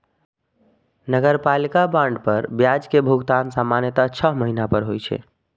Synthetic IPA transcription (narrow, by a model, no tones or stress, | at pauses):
nəɡəɾpalikabãɳɖpəɾbjad͡ʒkebʱuɡt̪ansamːanjət̪at͡ʃʰəɦməɦinapəɾɦojt͡ʃʰɛ̰